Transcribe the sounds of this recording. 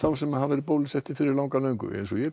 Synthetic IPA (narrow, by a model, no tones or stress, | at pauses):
θawsɛmahavɛɾɪpoːwlɪsɛht̪ɪfɪɾɪɾlaːwŋkalœːɥŋkʏ̰ʔḛjnsɔjɛ